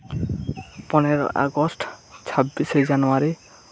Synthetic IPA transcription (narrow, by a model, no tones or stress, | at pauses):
pɔneɾɔ̰ʔa̰ɡɔsʈt͡ʃʰabised͡ʒanɔwaɾi